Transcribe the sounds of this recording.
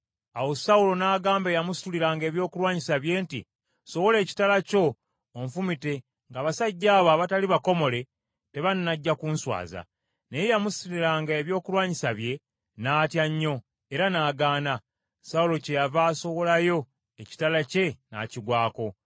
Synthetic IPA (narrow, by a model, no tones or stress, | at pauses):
awo̞saulo̞naːɡaːmbejamusi̥tuliɾaːŋɡe̞ːβjo̞ːkulwaːɲisaβje̞ːntḭ | so̞wo̞le̞ːci̥talaco̞ː | ɱfumite̞ | ŋɡaːβasaɟːaːβaβataliβako̞mo̞le̞ | te̞βanːaɟːakunswa̰ːza̰ | ne̞jejamusi̥tuliɾaːŋɡaeβjo̞ːkulwaːɲisaβje̞ | naːtjaɲːo̞ | e̞ɾanaːɡaːna | saulo̞ce̞javaːso̞wo̞lajo̞ | eci̥talace̞na̰ːciɡwaːko̞